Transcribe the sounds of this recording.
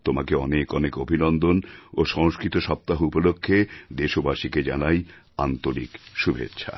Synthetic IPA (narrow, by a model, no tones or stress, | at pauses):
t̪omakeɔnekɔnekobʱinɔnd̪onoʃɔŋskɾit̪oʃɔp̚t̪aɦupolokʰːed̪eʃobaʃiked͡ʑanaj | ant̪oɾikʃubʱḛtːɕʰa̰